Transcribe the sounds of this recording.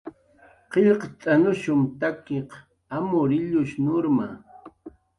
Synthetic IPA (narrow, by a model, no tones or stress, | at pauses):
qeʎqt̪ʼanʊʃʊmt̪akeq | amʊɾɪʎʊʃnʊɾma